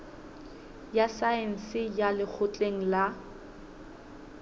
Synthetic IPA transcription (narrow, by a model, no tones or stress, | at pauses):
jasaɛn̩sɪjalɪk͡xʰʊt͡ɬʼeŋ̩la